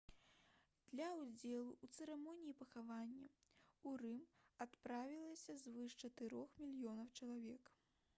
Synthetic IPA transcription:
d̪̥lʲɐwd͡zʲɛlˠuʔut̪sɛɾɛmɔnʲijipɐxavanʲːɐurɨmat̪pɾavʲilˠɐsʲɐzvɨʂt͡ʂɐt̪ɨɾɔxmʲilʲjɔnɐwt͡ʂɐlˠavʲɛk

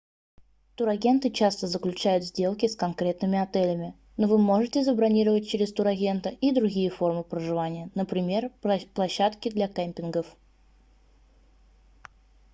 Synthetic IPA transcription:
t̪uɾɐɡʲe̞nt̪ɨt͡ɕast̪əzəklʲʉt͡ɕæjʊt̪zʲdʲe̞lˠkʲɪskɐnkɾʲe̞t̪nɨmʲɪɐt̪ɛlʲəmʲɪ | novɨmo̞ʐɨtʲɪzəbɾɐnʲiɾəvət̚ʲt͡ɕɪɾʲɪst̪uɾɐɡʲe̞nt̪əʔid̪ɾʊɡʲijəfo̞rmɨpɾəʐɨvanʲɪjənəpɾʲɪmʲe̞rplˠɐɕːat̪kʲɪd̪lʲakɛmʲpʲɪnɡəf

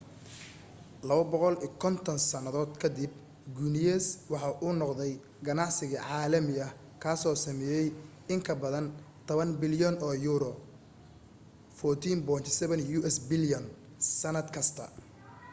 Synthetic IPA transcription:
lɐβɐbɔqɔliːkʰɔnt̪ʰɔnsɐnɐðɔːd̪kʰɐd̪ɪb̚ | ɡunɪjɛswɑħɑʔuːnɔqd̪ɛj | ɡɐnɑʕsɪɣɐʕɑːlɐmɪɐh | kʰaːsɔːsɐmɛːjɛj | ɪŋkʰɐbɐðɐnt̪ʰɔβɐnbɪljɔnɔːjuːɾɔ | fɔːrt̪ʰiːnbɔːnt̪sɛβɛnjuːʔɛsbɪljɔn | sɐnɐd̪kʰɐst̪ʰɐ̰

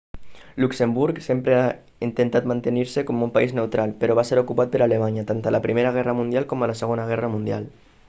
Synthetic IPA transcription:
luksembuɾksempɾea | int̪ent̪at̪mant̪eniɾsekɔmumpaiznewt̪ɾalpeɾɔβaseɾokupat̪̚pəɾalemaɲət̪ant̪alapɾimeɾəɣ̞ɛrəmund̪jalkomələseɣonəɣ̞ɛrəmund̪ja̰l

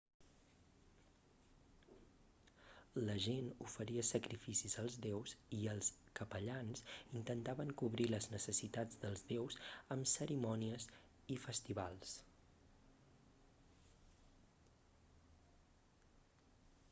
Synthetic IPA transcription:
ləʒenufəɾiəsəkɾifisizəlˠzðɛwziəlˠskəpəʎansint̪ənt̪aβəŋkuβɾiləznəsəsit̪ad͡zðəlˠzðɛwzəmsəɾimɔniəz | ifəst̪iβa̰lˠs

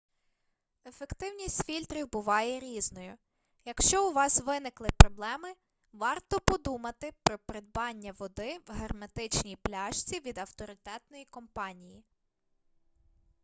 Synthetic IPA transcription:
efe̞kt̪ɪwnʲisʲtʲfʲilʲt̪ɾʲiwbʊʋɑjɛɾʲiznɔjʊ | jɐkʃt͡ʃɔʊʋɑsʋɪnɪklˠɪpɾɔblˠɛmɪ | ʋɑrt̪ɔpɔd̪umɐt̪ɪpɾɔpɾed̪̚bɑnʲːɐʋɔd̪ɪwɦermɐt̪ɪt͡ʃnʲijplʲɑʃt͡sʲiʋʲid̪ɐwt̪ɔɾɪt̪ɛt̪nɔjikɔmpɑnʲiji

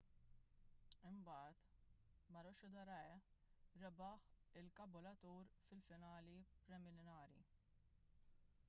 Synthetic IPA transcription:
ɪmbɐːt̪ | mɐɾɔʃʊd̪ɐɾɐɛɾɛbɐħɪlkɐbʊlɐt̪uːɾfɪlfɪnɐːlipɾɛmɪnɪnɐːɾḭ

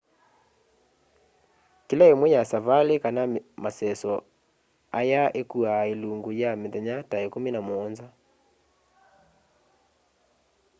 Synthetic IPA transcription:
kilaemwɛjasavalekanamasɛsɔ | ajaekuaeluŋɡojameðɛɲataekuminamoɔnza

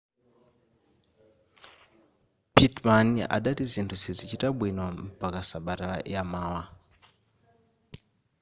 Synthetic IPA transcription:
pitmania̰ɗatizintʰuzizit͡ʃitaɓwinwam̩pakasaɓatala̰jamaːwa

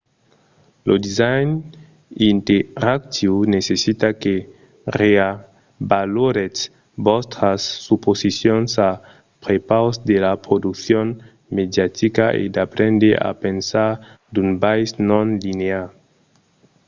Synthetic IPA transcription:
lʔod̪izajn | int̪eɾak̚t̪ʰiwnesesit̪ake | rea | baloɾet͡s | bɔst̪ɾasːuposisjonsa | pɾepawsd̪elapɾod̪ukθjon | med̪jat̪ikaʔḛd̪apɾẽnd̪eʔa̰pensaɾ | d̪unbajsnõnlinea

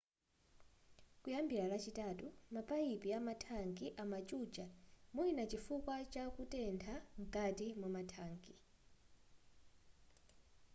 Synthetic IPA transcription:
kʼujambʱiɺalat͡ʃʰitʼatʼumapʼajipʼiamatʰaŋkʼiʔamat͡ʃʼud͡ʒʱʼamuinat͡ʃʼifukʼwat͡ʃʼakʼutʼɛntʰaŋkʼatʼimɔmatʰaːŋkʼi

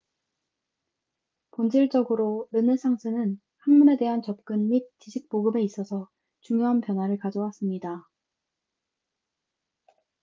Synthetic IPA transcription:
pond͡ʑiɭt͡ɕ͈ʌɡɯɾoɾɯnɯsʰaŋsʰɯnɯn | hanmune̞de̞ɦant͡ɕʌp̚k͈ɯnmit̚t͡ɕiɕʰik̚poɡɯbe̞is͈ʌsʰʌ | t͡ɕuŋjoɦanpjʌnwaɾɯɭkad͡ʑʌwas͈ɯmɲida

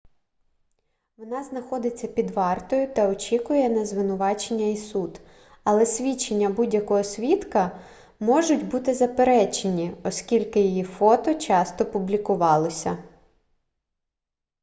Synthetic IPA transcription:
ʋɔnɑznɐxɔd̪ɪt͡sʲːɐpʲid̪ʋɑrt̪ɔjʊt̪ɐɔt͡ʃʲikʊjɛnɐzʋɪnʊʋɑt͡ʃenʲːɐisud̪ | ɐlˠɛsʲʋʲit͡ʃːenʲːɐbudʲjɐkɔɦɔsʲʋʲit̪kɐ | mɔʒʊtʲbut̪ɪzɐpeɾɛt͡ʃenʲiɔskʲilʲkɪjijifɔt̪ɔt͡ʃɑst̪ɔpʊblʲikʊʋɑlˠɔsʲɐ

